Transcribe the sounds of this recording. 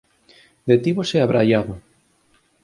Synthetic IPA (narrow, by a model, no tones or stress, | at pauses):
d̪et̪iβoseaβɾajaβo